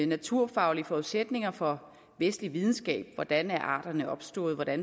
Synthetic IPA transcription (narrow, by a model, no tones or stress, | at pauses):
næt͡sʰuɐ̰fɑ̈ʊliəfɒuðˠsed̥ne̝ŋɐfɒ̽ | ʋesd̥liʋið̞ˠn̩sɡ̥ɛ̰ːb̥ʋɒd̥ænæɐʔɑ̰̈ːd̥ɐnəɒ̽b̥sd̥ɔ̰ːð̞̩ˠʋɒd̥æn